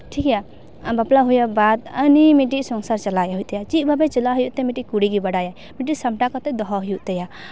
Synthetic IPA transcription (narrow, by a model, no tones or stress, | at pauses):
ʈʰikja | baplaɦujabad̪ənimiʈiʔsɔŋsaɾt͡ʃalajaɦujt̪ɛjat͡ʃiʔbʱabɛt͡ʃɛlaɦujuʔt̪ɛmiʈiʔkuɽiɡibaɽaja | miʈ̬isamʈakɔt̪ɛd̪ɔɦɔɦɔjuʔt̪ɛja